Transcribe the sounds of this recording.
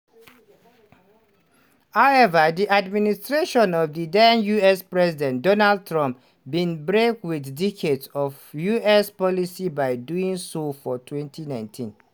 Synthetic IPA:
haʊɛvədiʔadministɹeʃɔ̃nɔfdidãnjuɛspɹɛzidɛ̃ndɔnald̚tɹɔ̃mp | bĩnbɹekwiθdikʰedsɔfjuɛspɔlisibaɪduĩŋsofɔtʰwɛ̃ntʰinãɪ̃ntʰĩn

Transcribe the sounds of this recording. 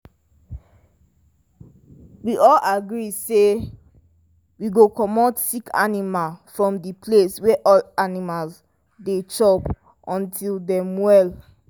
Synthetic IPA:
wiʔɔlaɡɹise | wiɡokɔmɔtsikʰa̰nimalfɹɔ̃mdipʰleswɛʔɔlanimals | det͡ʃɔp | ʔɔ̃ntʰildɛ̃mwɛl

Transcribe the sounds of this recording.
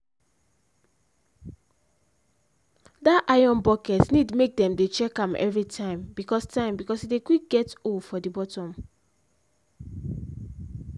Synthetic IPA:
daʔajɔ̃nbɔkɛtnidmek̚dɛ̃mdet͡ʃɛkãmʔɛ̰vɹitʰãɪ̃mbikɔstãɪ̃mbikɔsidekik̚ɡɛtofɔdibɔtɔ̃m

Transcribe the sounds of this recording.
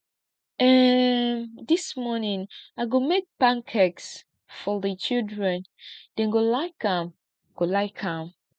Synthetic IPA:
ɛ | dismɔnĩŋaɪɡomek̚pãŋkʰɛks | fɔðət͡ʃildɹɛ̃nd̥ɛ̃nɡolaɪkãm | ɡ̥olaɪkʰãm

